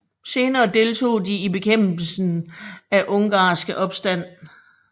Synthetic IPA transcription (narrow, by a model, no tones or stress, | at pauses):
se̝ːnɐːd̥e̝lt͡sʰo̝̰ːdiib̥e̝kʰem̰b̥l̩sn̩æʔɔ̽ŋɡ̥ɑ̈ːsɡ̥əʔɒ̽b̥sd̥æn̰